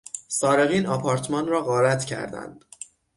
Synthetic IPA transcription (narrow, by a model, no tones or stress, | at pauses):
sɒːɾe̞ɣiːnɒːpʰɒːɾt̪ʰmɒnrɒːɣɒːɾæt̪ʰcʰæ̰ɾd̪æ̰nd̪̥